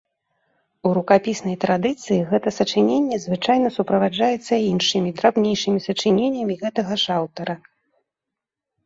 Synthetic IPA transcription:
uɾukapʲisn̪ɐjt̪ɾad̪ɨt̪sɨjiɣɛt̪ɐsɐt͡ʂɨnʲenʲːɛzvɨt͡ʂajnɐsupɾɐvad͡ʐajɛt̪sːɐinʂɨmʲid̪ɾabnʲejʂɨmʲisɐt͡ʂɨnʲenʲːɐmʲiɣɛt̪ɐɣɐʂawt̪ɐɾɐ

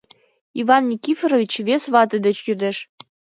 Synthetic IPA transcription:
ivɑnːʲikʲifeɾovʲit͡ɕvesvɑt̪əd̪ə̆t͡ɕjyd̪eʃ

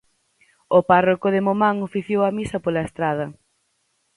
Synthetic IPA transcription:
oparokʊðɪmomaŋofiθjowɐmisɐpolɐest̪ɾaðɐ

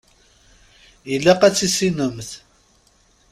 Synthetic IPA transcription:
ilːæqæt͡sːisinəmθ

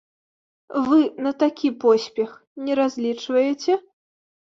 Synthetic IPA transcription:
vɨnɐt̪akʲipɔsʲpʲɛxnʲɛɾazʲlʲit͡ʂvɐjɛt͡sʲɛ

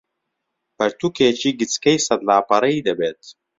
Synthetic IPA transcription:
pɐɾt̪ukʰeːt͡ʃiːɡɨt͡skɐjsɐd̪laːpɐɾɐid̪ɐbeːt̪̚

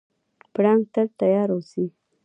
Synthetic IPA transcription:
pɽaŋɡ̚t̪əɾt̪ajɑɾosi

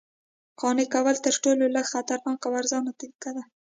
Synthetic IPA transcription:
qɑnekawəlt̪əɾʈololəɡxat̪aɾnɑkawaɾzɑnat̪akad̪a

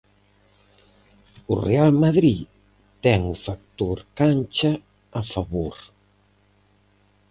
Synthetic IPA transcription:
ṵrḛalmaðɾi | t̪ɛŋufak̚t̪oɾkanʲt͡ʃa | afaβoɾ

